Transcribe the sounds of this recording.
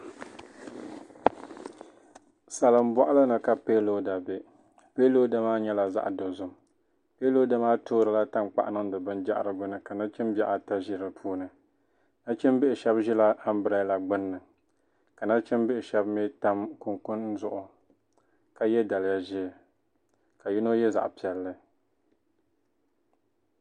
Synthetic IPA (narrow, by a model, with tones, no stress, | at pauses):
sa˨lɨ˨m̩˦bɔ˦˨ʔa˦lɨ˦nɨ˨ka˨pe˦lo˦da˨be˦ | pe˦lo˦da˦maː˦ɲɛ˦la˨za̰˦ʔdo˨zʊ˨m | peː˦lo˦da˦maː˦toː˦ɾɨ˨la˦ta˦mk͡pa̰˨ʔa˦nɨ˦ŋ˦dɨ˨bɨ˦nd͡ʒa̰˦ʔa̰˨ɾɨ˨ɡʊ˦nɨ˨ka˨na˦t͡ʃɪ˦mbjɛ˦ʔa˨ta˦ʒi˦ɾɨ˨pʰuː˦nɨ˨ | na˦t͡ʃɛ˦m˦bɪ˦ʔɪ˨ʃɛ˦bʒi˦la˦a˦m˦bɨ˦ɾa˦la˨ɡ͡bʊ˦nːɨ˨ | ka˨na˦t͡ʃɛ˦mbɪ˦ɪ˨ʃɛ˦bme˦ta˦mkʊ˨ŋkʊ˦nn̩˦zʊ˦ʔʊ˨ | ka˦jɛ˦da˨lɪ˦ja˦ʒɪ˦˨ | ka˨ji˦no˦jɛ˦za̰˨ʔpi˨ɛ˨lːɨ˦